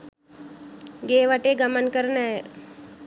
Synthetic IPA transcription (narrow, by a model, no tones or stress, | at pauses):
ɡeːʋaʈeːɡəmənkəɾna